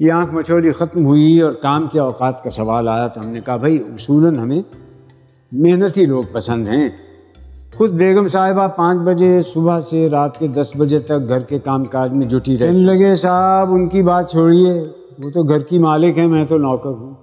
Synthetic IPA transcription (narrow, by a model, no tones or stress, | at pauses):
jãːkmɐt͡ʃʰoːlixɐt̪mɦʊiɔːɾkaːmkeɔːqaːt̪kasɐʋaːlaːjat̪oɦɐmnekɐɦabʱɐiʊsuːlənɦɐmẽ | meɦnət̪iloːɡ̚pɐsə̃nd̪ɦɛ̃ː | xʊd̪̚beːɡəmsaːɦɪbapãːt͡ʃbɐd͡ʒesʊbaseɾaːt̪ked̪ɐsbɐd͡ʒet̪ɐk̚ɡʱɐɾkekaːmkaːɾd͡ʒmẽd͡ʒʱʊʈiɾɛɦnelɐɡesaːbʊnkibaːt̪̚t͡ʃʰoːɽieː | ʋoːt̪oɡʱɐɾkimaːlɪkɦɛ̃mɛ̃ːt̪onɔːkəɾɦũː